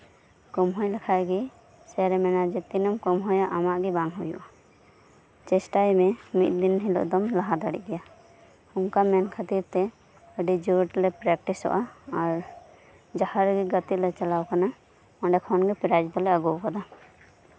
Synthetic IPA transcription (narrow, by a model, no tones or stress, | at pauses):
kɔmɦɔjlɛkʰaʔɡi | sɛɾɛmɛnad͡ʒɛt̪inɔmkɔmɦɔjaʔamaʔɡibaŋɦujṵʔa | t͡ʃɛsʈajmɛmit̪̚d̪inɦilɔ̰ʔd̪ɔmlaɦad̪aɽḭʔɡɛja | uŋkamɛnkʰət̪iɾt̪ɛ | əɖid͡ʒɔʈlɛpɾɛk̚ʈisɔ̰ʔaːɾ | d͡ʒahaɾɡiɡət̪it̪lɛt͡ʃalawkana | ɔɳɖɛkʰɔnɡipiɾad͡ʒbɔlɛəɡɔwkad̪a